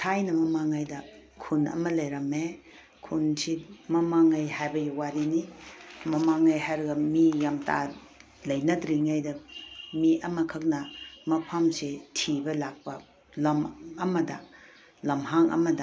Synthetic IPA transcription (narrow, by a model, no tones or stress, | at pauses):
tʰajnɐmɐmaŋajdɐkʰunɐ̰mɐlɐjɾɐme | kʰunsimɐmaŋajhajbɐjiwaɾinimɐmaŋajhajɾɐɡɐmijamta̰ | lɐjnɐdɾiŋajdɐmiʔɐmɐkʰɐk̚nɐmɐpʰamsetʰibɐlak̚pɐ | lɐmɐmɐdɐ | lɐmɦaŋʔɐ̰mɐdɐ